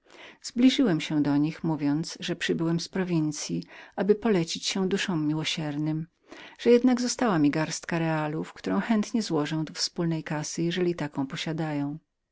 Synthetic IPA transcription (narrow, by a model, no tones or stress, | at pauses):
z̥blʲiʐɨwɛmɕɛ̃d̪ɔɲixmuvʲjɔnt̪sʐɛpʂɘbɘwɛmspɾɔvʲint̪sʲjiabɘpɔlɛt͡ɕit͡ɕɕɛ̃d̪uʂɔ̃wmːʲiwɔɕɛɾnɘm | ʐ̥ɛjɛd̪naɡzɔst̪awamʲiɡaɾst̪kaɾɛalufkt̪uɾɔ̃w̃xɛnt̪ɲɛzwɔʐɛ̃w̃d̪ɔfspulnɛjkasɘjɛʐɛlʲit̪akɔ̃w̃pɔɕad̪ajɔ̃w̃